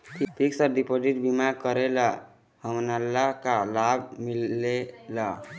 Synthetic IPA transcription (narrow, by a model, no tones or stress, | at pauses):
kipʰiksəɖipod͡ʒiʈ̚bimakəɾela | həmnalːakalabʱmilela